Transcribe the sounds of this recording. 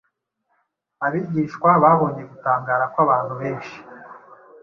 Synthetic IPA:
aβiɟiːʃkwaβaːβo̞ːɲe̞ɡutaːŋɡaːɾakwaβaːn̥huβeːnʃi̥

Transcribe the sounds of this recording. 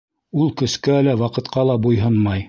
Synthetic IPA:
ulˠkɵ̆skæælæwɑqɤ̆t̪qɑlˠɑbujɦɤnmɑj

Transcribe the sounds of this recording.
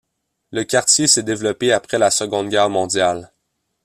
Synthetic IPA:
ləkʲaʁt̪jesɛd̪evlɔpeapχɛlasəɡɔ̃d̪ɡʲɛːʁmɔ̃d̪jal

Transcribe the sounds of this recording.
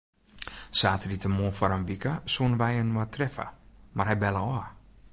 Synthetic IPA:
saːtəritəmoːfɔɾənʋikəsuənʋɛjənwatʰrɛfə̰marhɛjbɛlˠəɔ

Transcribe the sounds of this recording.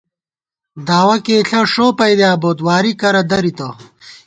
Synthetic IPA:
d̪aːwɐkeːɬʰɐʂoːpɐjd̪jaːboːt̪waːɾikɐɾɐd̪ɐɾit̪ɐ

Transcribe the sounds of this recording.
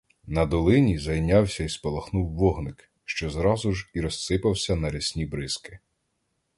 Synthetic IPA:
nɐd̪ɔlˠɪnʲizɐjnʲɑwsʲɐispɔlˠɐxnuwːɔɦnɪk | ʃt͡ʃɔzɾɑzʊʒiɾɔssɪpɐwsʲɐnɐɾɛsʲnʲibɾɪskɪ̥

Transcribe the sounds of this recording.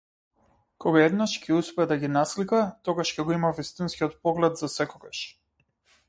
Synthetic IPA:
kɔɡaɛd̪naʃcʲʰɛuspɛɛd̪aɡʲinaslikat̪ɔɡaʃcʲɛɡɔimavist̪inskʲiɔt̪̚pɔɡlɛt̪zasɛkɔɡaʃ

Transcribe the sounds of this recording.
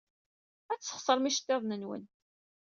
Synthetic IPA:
æt͡sːə̥χsˤəɾˤmiʃt̪ːeðˤnənwə̰n

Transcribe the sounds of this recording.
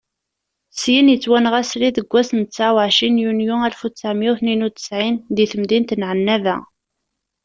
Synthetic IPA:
sjinjət͡sːwænʁæsliðəɡʷːæsənt͡sːaʕwʕʃinjunjuælfut͡sːæʕmjuθninut̪ə̥sʕinðiθəmðint̪nʕənːævæ̰

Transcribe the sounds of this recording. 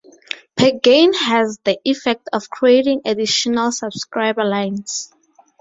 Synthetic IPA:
pʰɛɡẽnhɛzðiʔifɛk̚tʰɔfkʰɹietĩŋediʃɔnalsabskɹajbalãjns

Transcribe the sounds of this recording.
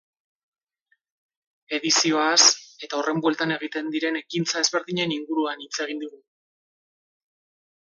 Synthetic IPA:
e̞ðisio̞ase̞t̪aore̞mbwe̞lt̪ane̞ɣ̞it̪e̞nd̪iɾe̞ne̞kint͡sae̞zβe̞ɾðiɲe̞niŋɡuɾuanit͡se̞ɣ̞ind̪uɣu

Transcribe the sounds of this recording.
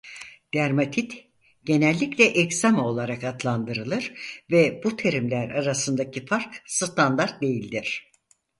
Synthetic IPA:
d̪̥æɾmat̪ʰit̪ | ɟ̥e̞nɛlʲːiclʲɛʔɛcsamao̞lˠaɾakat̪lˠand̪ɯɾɯlˠɯɾvɛbut̪ʰe̞ɾimlʲæɾaɾasɯnd̪acʰifaɾksɨt̪ʰand̪aɾt̪̚d̪e̞jilʲd̪iɾ̝̥

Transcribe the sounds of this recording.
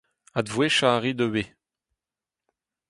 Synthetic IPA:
ad̪vweʃaːʁid̪əwe

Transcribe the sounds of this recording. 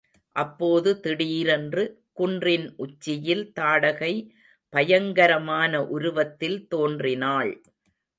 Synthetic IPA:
ʔɐpːoːðɯt̪ɪɽiːɾɛndrɯ | kʊndrɪnʔʊt͡ʃːɪjɪlt̪aːɽɐɣɐɪ | pɐjɐŋɡɐɾɐmaːnɐʔʊɾʊʋɐt̪ːɪlt̪oːndrɪnaːɭ

